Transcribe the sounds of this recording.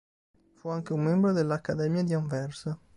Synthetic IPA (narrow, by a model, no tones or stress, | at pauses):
fuaŋk̟eumːembɾod̪elːakːad̪ɛmjad̪iaɱvɛrs